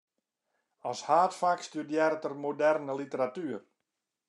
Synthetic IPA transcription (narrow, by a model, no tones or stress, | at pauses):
ɔshaːtfakstydjɛɾtərmodɛrnəlitəɾatyər